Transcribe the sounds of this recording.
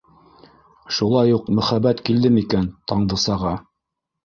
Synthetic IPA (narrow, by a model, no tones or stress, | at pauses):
ʃulˠɑjuqmɵ̆χæbæt̪kild̪ɘmikænt̪ɑɴd̪ɤ̆sɑʁɑ